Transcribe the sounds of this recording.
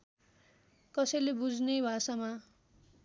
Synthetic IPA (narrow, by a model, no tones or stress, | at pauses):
kʌsʌjlebud͡znebʱasama